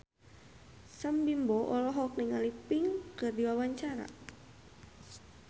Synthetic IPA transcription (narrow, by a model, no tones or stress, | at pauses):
sambimbɔʔɔlɔɦɔk̚niŋalipiŋkɨrdiwawaɲt͡ʃaɾa̰